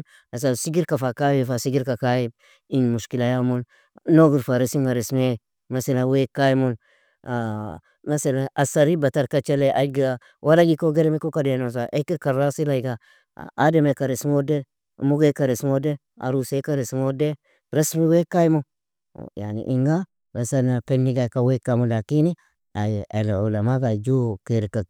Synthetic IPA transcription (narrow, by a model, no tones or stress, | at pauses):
as̬asiɡiɾkafakawefasiɡiɾkakajib̚ | inmuʃkilajamon | noɡiɾfaɾesiŋɡaɾesme | maselawekajimun | a | maselaasaɾibataɾkat͡ʃeleʔaɡa | waɾaɡikoɡeɾemikokadenos̬aʔekiɾkaɾasilaiɡa̰ | ademekaɾismode | muɡekaɾismode | a̰ɾusekaɾismode | ɾesmiwekajmo̰ | ja̰nḭʔiŋɡa | ɾasanapenːiɡakawekamulakini | aelulamaɡad͡ʒukeɾkaɡ̚